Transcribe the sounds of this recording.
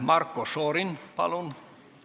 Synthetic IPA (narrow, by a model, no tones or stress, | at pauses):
mɑrkːosoːɾinpɑ̰lun